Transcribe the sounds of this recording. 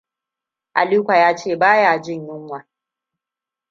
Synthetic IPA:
ʔa˨liː˦kʷa˨jaː˦t͡ʃeː˦˨baː˦jaː˨d͡ʒɪ˦˨ɲjɪ˦ŋwa˨

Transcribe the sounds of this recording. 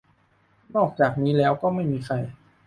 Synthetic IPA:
nɔː˥˩k̚t͡ɕaː˨˩k̚niː˦˥lɛː˦˥wkɔː˥˩ma˥˩jmiː˧xʰa˧j

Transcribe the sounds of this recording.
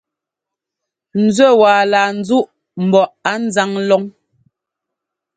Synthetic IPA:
n̩˨zɥɛ˦˨waː˨laː˨n̩˨˦d͡zu˦ʔ | m̩˨bɔ˨ʔa˨˦n̩˦za˦ŋlɔ˦ŋ

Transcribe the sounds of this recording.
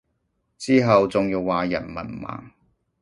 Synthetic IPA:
t͡siː˥ɦɐ˨wt͡sʊ˨ŋjiː˧wːaː˨jɐ̰˨˩nmɐ̰˨˩nma̰ː˨ŋ

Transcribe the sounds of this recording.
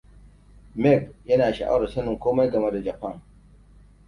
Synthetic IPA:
mɛ˦˨kjɐ˦naː˨ʃa̰˨ʔa̰˦wɽɐ˨sɐ˦nʊ˨ŋkʷoː˦ma˦jɡɐ˨me˦da˨d͡ʒa˨pɐ˦˨ŋ

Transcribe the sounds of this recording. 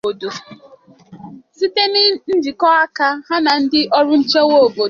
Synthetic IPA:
o˨do˨ | si˦te˦ni˦n̩˦d͡ʒi˨kɔ˦a˦ka˦ha˦na˨n̩˦dɪ˦ʔɔ˦ɾʊ˦n̩˦t͡ʃe˦wo˦o˨bo˨

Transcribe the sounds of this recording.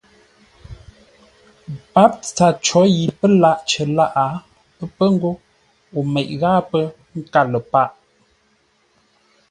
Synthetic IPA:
pa˦p̚t͡sa˨t͡ʃɔ˨˦ji˨pə˦la˦˨ʔt͡ʃə˨la˦ʔa˨˦ | ə˦pə˦ŋ̩˦ɡo˦ | o˨mɛ˨ʔɣaː˦pə˦ | ŋ̩˦ka˦˨lə˨pa˦˨ʔ

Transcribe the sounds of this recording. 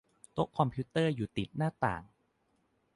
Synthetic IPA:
t̪o˦˥kʰːɔ˧mpʰiː˦˥t̪ːɤː˥˩juː˨˩t̪i˨˩t̪̚naː˥˩t̪a̰ː˨˩ŋ

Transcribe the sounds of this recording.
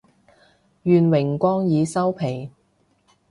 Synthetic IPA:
jyː˨nwɪ˨˩ŋkʷɔː˥ŋjiː˨˧sɐ˥wpʰe˨˩j

